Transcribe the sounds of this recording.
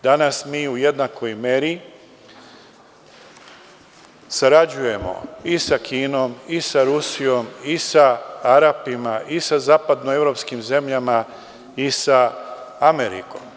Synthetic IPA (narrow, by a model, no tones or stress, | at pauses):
d̪̥anasmiːuje̞d̪nakojme̞ɾi | saɾad͡ʑuje̞mo̞̰isakʰiːno̞misaɾusijo̞misaaɾapimaʔisazaːpad̪noe̞vɾo̞pskimze̞mʎama | isaameɾḭko̞̰m